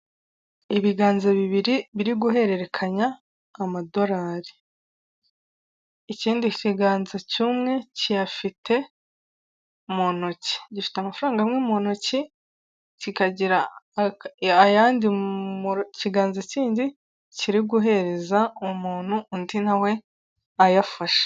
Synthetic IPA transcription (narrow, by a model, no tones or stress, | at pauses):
iβiɡaːnzeβiβiɾiβiɾiɡuɦe̞ɾe̞ɾe̞kʰaɲaː | mado̞ɾaːɾi | iciːndiciɡaːnzecumŋe̞cijafitʰe̞ | monoci̥ɟifi̥teamafɾaːŋɡamŋemonoci | cikaɟiɾa | jaːndimciɡaːnzaciːndi | ciɾiɡuɦe̞ɾe̞zaumuːn̥huːndinawe̞ | ajafaʃḁ